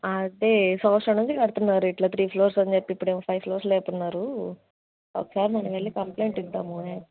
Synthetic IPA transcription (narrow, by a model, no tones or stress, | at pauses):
ɐd̪eːsɐːʂɐnuɲt͡ʃikɐɽut̪unːaːɾuiʈlaːt̪ʰɾiːpʰloːɾsɐɲd͡ʒepːiipːuɽeːmɐpʰɐjʋpʰloːɾslɛːt̪unːaːɾu | oːkɐsaːɾmɐnɐʋɐɭːikɐmple̞ːɳʈint̪aːmue